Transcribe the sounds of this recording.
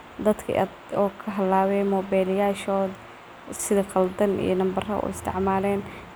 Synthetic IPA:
d̪ɐd̪kʰɐ̰ʔɐ̰d̪ɔːkʰɐɦɐlːaːwɛmɔːbɛːlɪjaːʃɔːd̪ | sɪðɐqɐld̪ɐnḭjɞnɐmbɐrɐ̰ʔṵɪst̪ʰɪ̰ʕmaːlɛːn

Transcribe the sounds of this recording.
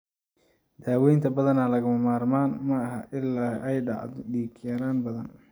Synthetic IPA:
d̪̥aːwɛjnt̪ʰɐbɐðɐnaːlɐɣʊmɐmaːrmaːnmɐːɦɐʔɪlːaːʔɛjɖɑ̰ʕɖiːkʰjɐɾaːnbɐðɐ̰n

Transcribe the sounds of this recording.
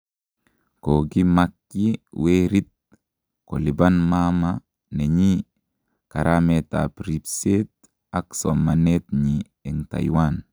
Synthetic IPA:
koɡimakːiweɾit̪̚ | ko̰libanmama | neɲi | kaɾamet̪a̰pɾipset̪̚ | aksomanet̪ɲi | eŋta̰jwan

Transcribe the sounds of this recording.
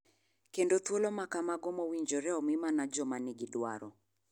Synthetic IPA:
kɛndɔt̪ɔlɔmakamaɡɔmɔwiɲd͡ʒɔɾɛɔmimanad͡ʒɔmaniɡiɗwa̰ɾɔ

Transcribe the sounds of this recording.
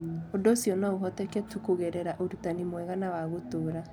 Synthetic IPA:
odosjɔnaoɦɔtɛkɛtukoɣeɾɛɾaʔoɾutanimwɛɣanawaɣotoːɾa

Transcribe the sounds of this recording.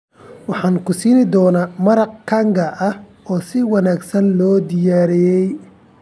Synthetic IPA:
wɑħɑːnkʰʊsiːnɪd̪ɔːnaːmɐɾɑq̚kʰɐŋɡɐʔɐh | ɔːsɪwɑnaːɡsɐnlɔːd̪ɪjaːɾɛjɛj

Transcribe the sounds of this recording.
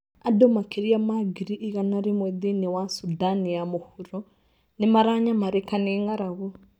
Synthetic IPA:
adomakeɾiamaɡiɾiʔːɣanaɾemwɛðinewasudanijamohuɾɔ | nemaɾaɲamaɾekaneːŋaɾaɣo

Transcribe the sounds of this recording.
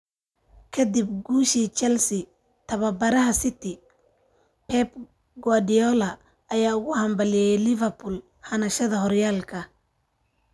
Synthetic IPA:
kʰɐd̪ib̚ɡuːʃiːt͡ʃɛlsɪ | t̪ʰɐβɐbɐɾɐɦɐsɪt̪ʰɪ | pʰɛp | ɡwaɖɪɔlɐː | jaːʊɣʊhɐmbɐlɪjɛjlɪvɐrpʊl | hɐnɐʃɐðɐɦɔrjaːlkʰɐ

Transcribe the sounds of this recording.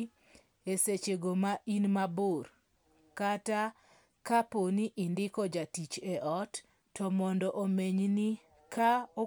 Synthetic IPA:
eset͡ʃeɡomaʔinmaboɾ | kata | kaponiʔɪndɪkɔd͡ʒatit͡ʃeʔɔtː | ɔmɔndɔʔomeɲni | kao

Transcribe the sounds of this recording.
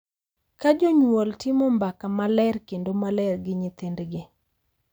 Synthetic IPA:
kad͡ʒoɲwoltɪmɔmbakamalɛrkendomalɛrɡɪɲɪt̪endɡɪ

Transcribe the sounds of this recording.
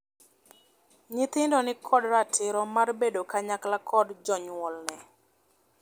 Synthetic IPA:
ɲɪt̪ɪndɔnɪkʰɔdɾatʰɪɾɔmarbedokaɲaklakʰɔdd͡ʒɔɲwɔlnɛ

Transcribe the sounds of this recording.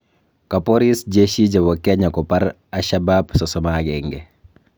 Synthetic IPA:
kɐpoɾisɟeʃiɟɐbɔkɛɲɐkɔpɐɾ | ɐʃababsɔsɔmaɡɛŋɡɛ

